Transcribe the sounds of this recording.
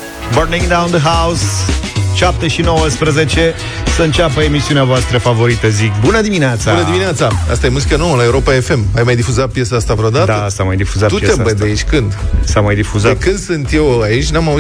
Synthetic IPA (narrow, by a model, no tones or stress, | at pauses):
bərnĩŋd̪awnd̪əɦaws | ʃap̚t̪eʃino̞wəspɾəze̞t͡ʃe̞ | səɨnt͡ʃapəemisiuneavoast̪ɾəfavo̞ɾit̪əzikbunəd̪imineat̪sabunəd̪imineat̪saa̰st̪aje̞muzikano̞wəlaeuɾo̞pae̞fe̞majmajd̪ifuzat̪̚pje̞saast̪avɾeod̪at̪aəsamajd̪ifuzatt̪ueebəd̪eiʃʲkɨnd̪samajd̪ifuzakɨnd̪sɨnt̪je̞wait͡ʃʲnamau